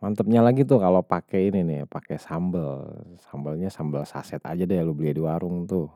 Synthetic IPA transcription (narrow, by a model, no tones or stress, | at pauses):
mant̪əp̚ɲalaɡit̪ʊkalopakɛininɪpakɛsambəlsambəlɲasambəlsa̰sɛt̪a̰d͡ʒadajalubəliadiwaɾʊŋt̪ʊ